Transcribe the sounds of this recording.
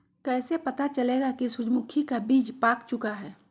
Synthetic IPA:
kɛːsepɐt̪at͡ʃɐleːɡakisʊd͡ʒmʊkʰikabiːd͡ʒpaːkt͡ʃʊkaɦɛː

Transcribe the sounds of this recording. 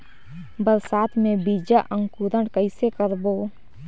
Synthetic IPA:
bəɾsaːt̪ʰmẽbid͡ʒaʔə̃ŋɡkuɾəɽkəɪsekəɾbo

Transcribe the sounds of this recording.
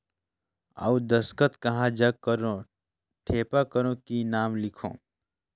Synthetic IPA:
a̰ud̪əskət̪kɐɦãd͡ʒakəɾõ | ʈʰeːpakəɾõkinaːmlɪkʰõ̰ː

